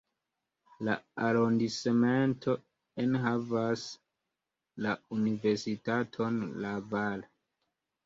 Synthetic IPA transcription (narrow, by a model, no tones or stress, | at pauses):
laaɾondismento̞ | enɦavas | launive̞ɾsitatʰo̞nlaval